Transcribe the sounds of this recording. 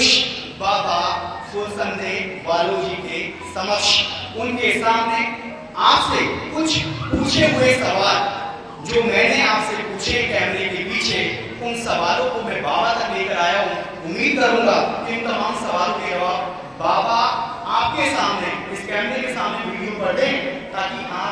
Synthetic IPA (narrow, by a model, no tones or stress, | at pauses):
ʃ | baːba | soːsənd̪ẽʋaːloːd͡ʒit̪ẽ | sɐməkʃʊnkeɦɪsaːbne | aːpsekʊt͡ʃʰpuːt͡ʃʰeɦʊesɐʋaːl | d͡ʒoːmɛ̃ːneaːpsepuːt͡ʃʰekɛːmɾekepiːt͡ʃʰe | ʊnsɐʋaːlõkomɛ̃baːbat̪ɐkleːkəɾaːjaɦũ | ʊmːiːd̪̚kɐɾũŋɡakɪ̃mt̪omɦamsɐʋaːlkeɐʋab | baːba | aːp̚kesaːmneɪskɛːmɾekesaːmneʋɪɽjupɐɾd̪ẽɦɛ̃t̪aːkiɦã